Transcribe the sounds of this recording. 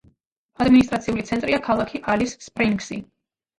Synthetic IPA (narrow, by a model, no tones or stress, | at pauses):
ad̪minis̬t̪ʼɾat̪sʰiulit̪sʰɛnt̪ʼɾiakʰalˠakʰiʔalisːpʼɾiŋksi